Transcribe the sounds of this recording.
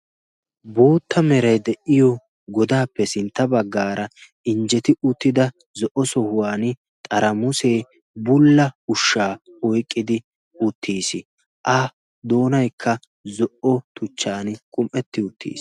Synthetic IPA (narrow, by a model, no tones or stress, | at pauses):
bo̞ːt̪ːɐmɛɾɐjd̪ɛʔɪjɔ | ɡɔd̪aːpːɛsɪnt̪ːɐbɐɡːaːɾɐ | ɪnd͡ʒɛt̪ɪʊt̪ːɪd̪ɐ | zɔʔɔsɔhʊwaːnɪ | t̪ʼɐɾɐmʊseː | bʊlːɐʊʃːaːɔjkʼːɪd̪ɪ | ʊt̪ʰːiːsɪ | ʔɐ | d̪o̞ːnɐjkʰːɐ | zɔʔɔt̪ʰʊt͡ʃːaːnkʼʊmʔɛt̪ːɪʊt̪ːḭːs